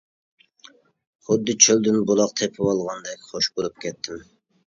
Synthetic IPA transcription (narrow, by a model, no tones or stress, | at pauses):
χʊd̪ːɨt͡ʃʰøld̪ɪnbolˠɑqt̪ʰepʰɪwɑlˠʁɑnd̪ɛkʲχoʃboɾup̚kʲɛt̪ʰːɪm